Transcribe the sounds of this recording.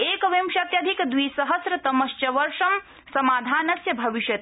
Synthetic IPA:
eːkʋemʃɐt̪jɐd̪ʱikd̪ʋiːsɐɦɐsɾɐt̪ɐmɐʃt͡ʃɐʋɐɾʂɐm | sɐmaːd̪ʱaːnɐsjɐbʱɐʋiʃjɐt̪

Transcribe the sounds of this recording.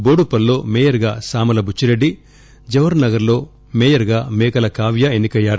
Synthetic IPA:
boːɽupːɐlːo̞ːmɛːjɐɾɡaːsaːmɐlɐbʱut͡ʃːiɾeɖːi | d͡ʒɐʋɐɾnɐɡɐɾlo̞ː | mɛːjɐɾɡaːmɛːkɐlɐkaːʋjɐenːikɐjːaːɾu

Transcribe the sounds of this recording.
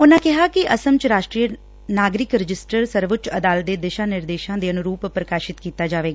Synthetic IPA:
ʊnãːkɪɦaːkɪʔəsəmt͡ʃɾaːʃʈɾijə | naːɡɾɪkɾɪd͡ʒɪsʈəɾsəɾʋʊt͡ʃəd̪aːlət̪̚d̪eːd̪eːʃãːnɪɾd̪eːʃãːd̪eːənʊɾuːppɾəkaːʃɪt̪kiːt̪aːd͡ʒaːʋeːɡaː

